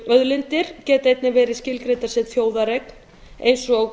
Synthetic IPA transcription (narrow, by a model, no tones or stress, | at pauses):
œðlɪnt̪ɪɾ̥cɛːt̪aejt̪nɪvɛːɾɪðscɪlkɾejt̪asɛːt̪θjoːwðaɾekn̥ | ḛjnsɔɣ